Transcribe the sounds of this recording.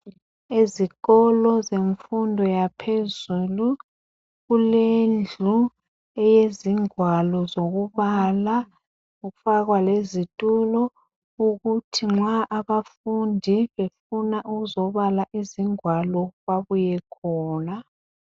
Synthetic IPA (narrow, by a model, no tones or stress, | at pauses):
eziɣɔlɔzeɱfundʱɔjapʰezulu | ɣulend͡ɮʱu | ɛjeziŋwalɔzoɣuβala | uɣufaɣwalezitʼulɔ | uɣutʰiŋ͡ǁaʔaβafundʱiβefunaʔuɣuzɔβalaʔiziŋwalɔβaβujɛkʰɔːna